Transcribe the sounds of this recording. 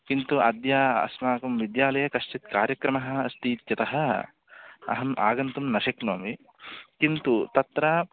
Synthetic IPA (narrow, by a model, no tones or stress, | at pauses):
kint̪uɐ̰d̪jaːɐ̰smaːkɐmʋid̪jaːlɐjɐkɐʃʈit̪kaːɾjɐkɾɐmɐɦɐ̆ɐst̪iːt̪jɐt̪ɐɦɐ | ɐ̰ɦɐmʔa̰ːɡɐnt̪umnɐʃɐkno̰ːmi | kint̪ut̪ɐt̪ɾɐ